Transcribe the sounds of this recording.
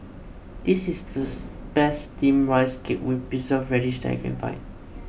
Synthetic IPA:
d̥isisdəb̥ɛstĩmɹaɪskep̚wibisɔfɹɛɾiʃdɛ̰ta̰kʰɛ̰̃nfã̰ɪ̃n

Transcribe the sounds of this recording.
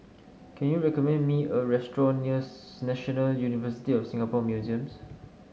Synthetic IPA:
kʰɛ̃njuɹɛkɔmɛ̃nmiəɹɛstɹɔ̃nːiəs | nɛʃɔnəljunivəsi̥tiɔfsĩŋapɔmjuziə̃ms

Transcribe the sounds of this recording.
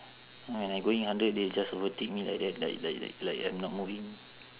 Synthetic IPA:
wɛ̃najɡoĩŋhãndət̚ded͡ʒasɔvətek̚mĩla̰jk̚dɛt̚la̰jkla̰j̰klajkajmnɔt̚muvĩŋ

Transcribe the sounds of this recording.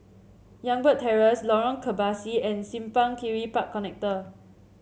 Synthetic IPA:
jãŋbətʰːɛɹəslɔɹɔ̃nkʰəbasiɛ̃nsĩmpãŋkiɹipakʰːɔnɛk̚tə

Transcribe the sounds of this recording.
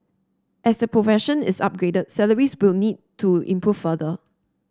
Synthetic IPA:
ʔɛsdəpɹofɛʃə̃nɪ̰sa̰p̚ɡɹedət̚sɛləɹiswɪlnid̚tʰuḭ̃mpʰɹuffədə

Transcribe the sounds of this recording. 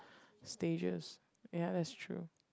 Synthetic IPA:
steɪd͡ʒɪ̰z̥ | jæðætstʰɹ̥ʉ̰

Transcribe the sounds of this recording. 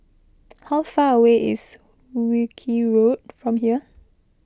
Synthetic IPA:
hawfaəweʔɪ̰s | wikʰiɹot̚fɹɔ̃mɦiə

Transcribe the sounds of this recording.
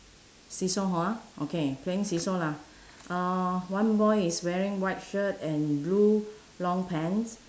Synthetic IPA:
sisoɦɔaʔokʰepʰleɪ̃ŋsisola | ʔawãnbɔɪiswɛɹĩŋwaɪt̚ʃətɛ̃nblu | lɔ̃ŋpʰɛ̃ns

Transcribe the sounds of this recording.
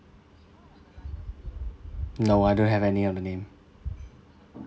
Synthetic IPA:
noʊaɪdõnɦɨvɛniʌ̃nðənẽɪ̃m

